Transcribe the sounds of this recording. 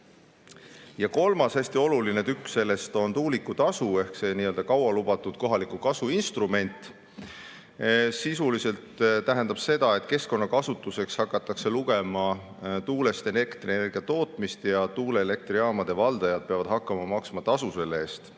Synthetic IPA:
jɑko̞lmɑshæsʲt̪io̞lulinet̪ykːsse̞lːe̞st̪o̞nt̪uːlikːˑut̪ɑsue̞hkse̞niːøld̪̥ɑkɑwɑlub̥ɑt̪ːud̪̥̚ko̞ɦɑlikukɑsuinst̪rume̞nʲt̪ːˑ | sisulise̞lt̪t̪æɦe̞nd̪̥ɑb̥se̞d̪̥ɑe̞t̪ˑke̞sko̞nːɑkɑsut̪ːˑuse̞kshɑkːˑɑt̪ːˑɑkse̞luɡ̥e̞mɑ | t̪uːle̞st̪e̞ne̞rkt̪rine̞rɡiɑt̪o̞ːt̪ˑmist̪jɑt̪uːleːle̞k̚t̪riɑːmɑd̪̥e̞vɑld̪̥ɑjɑd̪̥̚pe̞ɑvɑd̪̥ɦɑkːˑɑmɑmɑksmɑt̪ɑsuse̞lːeeːst̪

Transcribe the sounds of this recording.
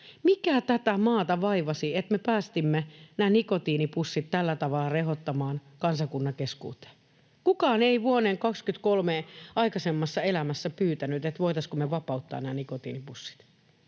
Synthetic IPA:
mikæːt̪æt̪æmɑːt̪ɑʋɑiʋɑsiet̪mepæːst̪imːenæːnikot̪iːnipusːit̪t̪ælːæt̪ɑʋɑlːɑrehot̪ːɑmɑːnkɑnsɑkunːɑkeskṵːt̪e̥ː | kukɑːneiʋuoneːŋkɑkskyt̪kolmeɑikɑsemːɑsːɑelæmæsːæpyːt̪ænyt̪et̪ʋoit̪ɑskomeʋɑpɑut̪ːɑ̰ːnæːnikot̪ḭːnipusːi̥t̪

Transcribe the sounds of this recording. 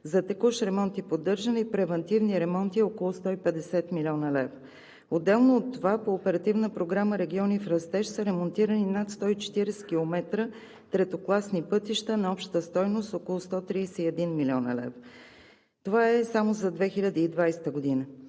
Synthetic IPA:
zɐt̪ɛkuʃɾɛmɔnt̪ipod̪ːɤɾʒənipɾɛvɛnt̪ivniɾɛmɔnt̪iokolˠʊst̪ɔipɛd̪ɛsɛt̪milʲiɔnəlɛvɾo | od̪ːɛlˠnoːt̪ːovapoːpɛɾɐt̪ivnəpɾoɡɾaməɾɛɡʲiɔnifɾɐst̪ɛʃsəɾɛmont̪iɾəninat̪st̪ɔit͡ʃɛ̥t̪iɾɛsɛ̥k̟ilˠomɛt̪ɾə | t̪ɾɛt̪oklˠasnipɤt̪iʃt̪ənɐɔpʃt̪ə̥t̪əst̪ɔjnost̪okolˠʊst̪ɔt̪ɾiːsɛiɛd̪inmilʲɔnə̰lɛ̰vo | t̪ovaɛsamozɐd̪vɛxilʲəd̪iːd̪vajsɛ̥t̪əɡod̪inə

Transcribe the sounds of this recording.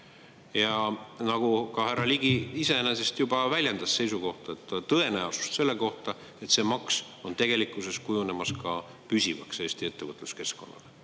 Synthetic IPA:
jɑnɑɡ̥ukɑɦærːɑliɡ̥iise̞enese̞st̪jubɑvælʲjend̪̥ɑsse̞jsuko̞ht̪ɑet̪ːt̪ɤe̞næosu̥st̪se̞lːe̞ko̞ht̪ɑ | e̞t̪se̞mɑks | o̞nt̪e̞ɡ̥e̞likːˑuse̞skujune̞mɑskɑ | pysʲivɑ̰kse̞ːst̪ie̞t̪ːevɤt̪ˑluske̞sko̞nːɑ̰le

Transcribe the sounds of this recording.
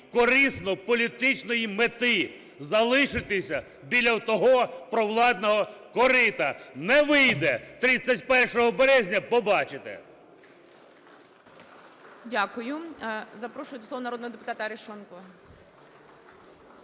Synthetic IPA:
kɔɾisnɔpɔlʲit̪ɪt͡ʃnɔjimet̪ɪ | zɐlˠɪʃɪt̪ɪsʲɐ | bʲilʲːɐwt̪ɔɦɔpɾɔwlˠɑd̪nɔɦɔkɔɾɪt̪ɐnɛʋɪjd̪ɛt̪ɾit͡sʲːɐtʲpɛrʃɔɦɔbɛɾɛzʲnʲɐpɔbɑt͡ʃɪt̪ḛ | dʲakʊjʊzɐpɾɔʃʊjd̪ɔsˠɔʋɐnɐɾoɔd̪nɔɦɔd̪epʊt̪ɑt̪ɐɾeʃɔnkɔ

